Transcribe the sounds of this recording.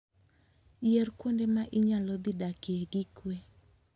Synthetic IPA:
jerkwondemaʔɪɲalɔd̪idakeeɡikwe

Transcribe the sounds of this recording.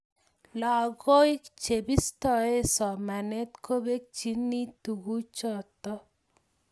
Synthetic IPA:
laɡoikt͡ʃebist̪ɔesɔmanet̪kobek̚t͡ʃinːit̪uɡut͡ʃɔt̪ɔ

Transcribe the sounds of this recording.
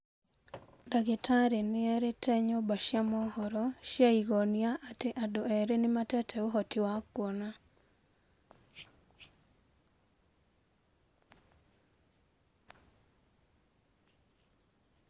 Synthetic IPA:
daɡitʰaɾenɪɛɾetʰɛɲobaʃjamɔhɔɾɔʃaiɡɔniaʔatɪʔadoɛɾenɪmatɛtʰɛoɦɔtɪwakwɔna

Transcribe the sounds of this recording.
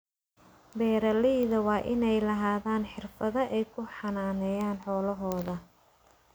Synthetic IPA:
bɛːɾɐlɪðɐwɑːʔɪnɛjlɐɦaːðaːnħɪrfɐðɐʔɛjkʰʊħɑnaːnɛːjaːnħɔːlɐɦɔːðɐ

